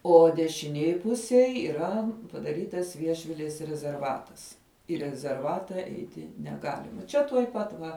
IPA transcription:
oː dʲɛʃʲɪˈnʲeːj ˈpʊsʲeːj iːˈrɐ pɐdɐˈrʲiːtɐs ˈʋʲiɛʃʲʋʲɪlʲeːs rʲɛzʲɛrˈʋɑːtɐs iː rʲɛzʲɛrˈʋɑːtɐ ˈɛɪtʲɪ nʲɛˈɡɑːlʲɪmɐ ˈt͡ʃʲɛ tuɔj ˈpɐt ʋɐ

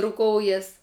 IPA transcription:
rʊˈkoːʊjɛs

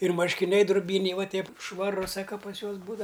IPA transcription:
ɪr mɐrʲʃʲkʲɪˈnʲɛɪ drʊˈbʲiːnʲɛɪ ˈʋɐ ˈtʲɛɪp ʃʋɐˈrʊ ˈsɑːkɐ pɐs ˈjuɔs ˈbuːdɐʋɐ

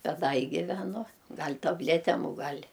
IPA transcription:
ˈbʲɛt ˈdɐ ɪ ɡʲɪʋʲɛˈnʊ ˈɡɐlʲ tɐbʲˈlʲæːtʲɛm ʊ ˈɡɐlʲ

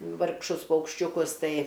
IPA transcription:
ʋɐrkˈʃʊs pɐʊkʃʲt͡ʃʲʊˈkʊs ˈtɐɪ

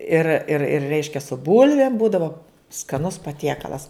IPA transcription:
ɪr ɪr ɪr ˈrʲɛɪʃʲkʲɛ sʊ ˈbʊlʲʋʲeːm ˈbuːdɐʋoː skɐˈnʊs pɐˈtʲiɛkɐlˠɐs

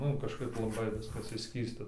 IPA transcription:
ˈnʊ kɐʃˈkɐɪp lˠɐˈbɐɪ ˈʋʲɪskɐs ɪʃʲˈsʲkʲiːstɐ

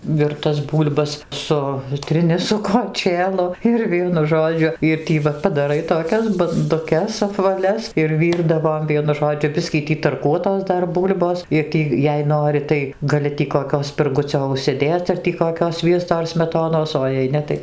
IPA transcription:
ʋʲɪrˈtɐs ˈbuːlʲbɐs ˈsʊtʲrʲɪnʲɪ sʊ koːˈt͡ʃʲeːlˠʊ ɪr ˈʋʲiɛnʊ ˈʒoːd͡ʒʲʊ ɪr ˈtʲiː ʋɐ pɐdɐˈrɐɪ toːˈkʲɛs bɐndʊˈkʲɛs ɐpʋɐˈlʲɛs ɪr ˈʋʲiːrdɐʋoːm ˈʋʲiɛnʊ ˈʒoːd͡ʒʲʊ ˈbʲɪsʲkʲiː ˈtʲiː tɐrˈkuɔtoːs ˈdɐr ˈbuːlʲboːs ɪr ˈtʲiː jɛɪ ˈnoːrʲɪ tɐɪ ɡɐˈlʲɪ tʲiː koːˈkʲoː sʲpʲɪrˈɡʊt͡sʲoː ʊʃʲsʲɪˈdʲeːt͡s ɐr tʲiː koːˈkʲoː ˈsʲʋʲiɛstoː ɐr sʲmʲɛˈtoːnoːs oː jɛɪ ˈnʲɛ tɐɪ

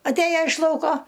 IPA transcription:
ɐtʲˈeːjɛ ɪʃ ˈlˠɐʊkoː

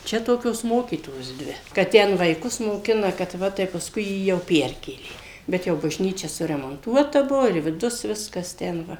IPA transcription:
ˈt͡ʃʲɛ ˈtoːkʲoːs ˈmoːkʲiːtoːjoːs ˈdʲʋʲɪ kɐt ˈtʲɛn ʋɐɪˈkʊs moːˈkʲɪnɐ kɐt ˈʋɐ tɐɪ pɐsˈkʊɪ ˈjiː jɛʊ ˈpʲɛrʲkʲeːlʲeː bʲɛt ˈjɛʊ bɐʒʲˈnʲiːt͡ʃʲɛ sʊrʲɛmoːnˈtuɔtɐ ˈbʊʋoː ɪr ʋʲɪˈdʊs ˈʋʲɪskɐs ˈtʲɛn ˈʋɐ

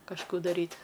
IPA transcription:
kɐʃˈkuː dɐˈrʲiːtʲ

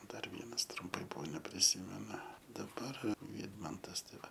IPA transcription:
ˈdɐr ˈʋʲiɛnɐs trʊmˈpɐɪ ˈbʊʋoː nʲɛpʲrʲɪˈsʲiːmʲɛnʊ dɐˈbɐr ˈʋʲiːdmɐntɐs ˈtɐɪ ˈʋɐ

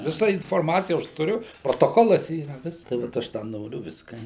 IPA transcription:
ʋʲɪˈsɐ ɪnfoːrˈmɑːt͡sʲɪjɛ ɐʃ tʊˈrʲʊ proːtoːˈkoːlˠɐs ˈiːrɐ ˈʋʲɪsk tɐɪ ʋɐt ˈɐʃ dɐ ˈnoːrʲʊ ˈʋʲɪskɐ

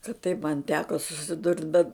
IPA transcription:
kɐt tɐɪp mɐn ˈtʲæːkoː sʊsʲɪˈdʊrt bʲɛt

